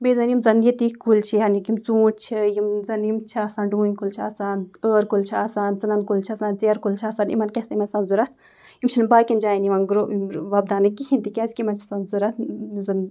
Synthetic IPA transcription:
bezɐnjimzɐnjit̪ikult͡ʃʰiɦɐnikimt͡suːtt͡ʃʰijimzɐnjimt͡ʃʰiaːsaːnɖuːinʲkult͡ʃʰia̰ːsaːnəːɾkult͡ʃʰiaːsaːnzɐnɐnd̪̚kult͡ʃʰiaːsaːnt͡seɐɾkult͡ʃʰiaːsaːnʔḭmɐnkʲɛsimɐnsɐnzuɾɐt̪̚ʰ | jimt͡ʃʰinmbaːkʲind͡ʒaːjiniʋɐnɡɾoʋɐb̚d̪aːnɨkːihʰʲint̪ikʲɛsʲkʲimɐnt͡ʃʰi̥sɐnzuɾɐt̪̚ʰzɐn

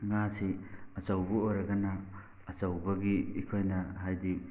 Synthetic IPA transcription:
ŋasiɐt͡ʃɐwbuojɾɐɡɐnaː | t͡ʃɐwbɐɡiikʰojnɐɦajdi

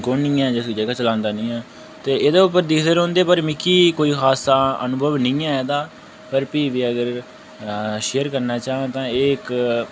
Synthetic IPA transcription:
konːĩːɛ̃ːd͡ʒəsd͡ʒəɡaːt͡ʃəlãːnd̪aːnĩːɛː | t̪eːeːd̪eːʊpːəɾd̪iːkʰd̪eːɾɦõːnd̪eːpəɾmɪkːiːkoːiːxʰaːsaːə̰nʊbʱəʋnɪ̃ːɛ̃ːɛːd̪aː | pəɾpiːʋiːəɡəɾ | ʃeːəɾkəɾnaːt͡ʃaːãːt̪ãːeːɪk

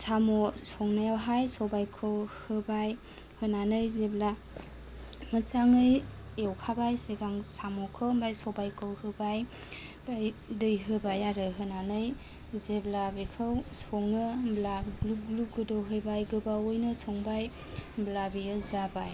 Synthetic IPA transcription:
samɔsɔŋnajawɦajsɔbajkʰɯwhɯbaj | hɯnanɯjzebla | ŋɯt͡ʃaŋɯj | ewkʰabajseɡaŋsamɔkʰɯwmbajsɔbajkʰɯwhɯbaj | bajdɯjɦɯbajaɾɯɦɯnanɯj | zeblabikʰɯwsɔŋɯblabluk̚ɡluɡɯdɔwɦɯjbajɡɯbaojnɯsɔŋbaj | blabiɯzabaj

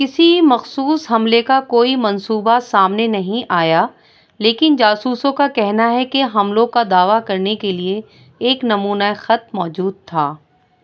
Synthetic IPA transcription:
kɪsimɐxsuːsɦɐmlekakoːimɐ̃nsuːbasaːmnenɐɦĩʔaːja | leːkɪnd͡ʒaːsuːsõkakɛɦnaɦɛkeɦɐmlõkad̪aːʋakɐɾnekelieː | knɐmuːnaexɐt̪̚mɔːd͡ʒuːd̪̚t̪ʰaː

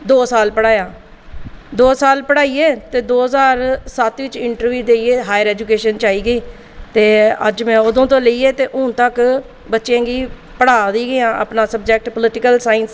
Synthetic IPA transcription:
d̪oːsaːlpəɽaːjaː | d̪oːsaːlpəɽaːiːeːt̪eːd̪oːɦəzaːɾsət̪ʋɪt͡ʃɪɳʈəɾʋjuːd̪eːieːɦaːjəɾɛːd͡ʒʊkeːʃənt͡ʃaːiːɡəiː | t̪eːə̰d͡ʒmɛ̃ːʊd̪õːt̪õːləiːeːt̪eːʔʊ̃t̪ək | bətːʃãːɡiː | pəɽaːd̪iːɡɪãːʔə̰pnaːsəb̚d͡ʒɛk̚ʈpəlɪʈɪkəlsaːɪns

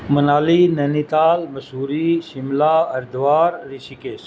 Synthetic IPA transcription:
mɐnaːlinɐnit̪aːlmɐsuːɾiʃɪmlaːɐɾd̪ʋaːɾːisikeːs

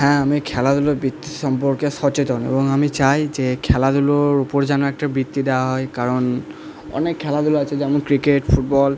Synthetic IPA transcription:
ɦɛ̃amikʰɛladulɔbit̪ːi̥sɔmpɔɹkɛsɔt͡ʃetɔnḛbɔŋamisajzɛkʰɛladulɔɹupɔɹzanɔɛk̚tabit̪ːidɛaɦɔjkaɹɔn | ɔ̰nɛkʰːɛladulasɛzɛamɔkɹiketpʰut̚bɔl

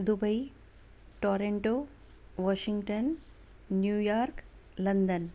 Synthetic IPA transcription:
d̪ubɐi | ʈoːɾeɳʈoː | ʋaːʃiŋɡʈənː | jujaːɾk | lɐnd̪ən

